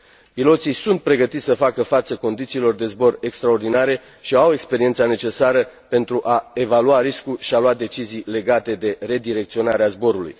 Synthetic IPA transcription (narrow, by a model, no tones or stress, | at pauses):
pilo̞t̪sisunt̪̚pɾe̞ɡət̪it̪ʲsəfakəfat̪səko̞nd̪it̪siːlo̞rd̪e̞zbo̞re̞kst̪ɾao̞rd̪inaɾe̞ | ʃiawe̞kspe̞ɾiet̪sane̞t͡ʃe̞saɾəpe̞nt̪ɾuʔae̞valuaɾiskuʃialuad̪e̞t͡ʃizijle̞ɡat̪e̞d̪e̞re̞d̪iɾe̞k̚t̪sio̞naɾeazbo̞ɾulṵj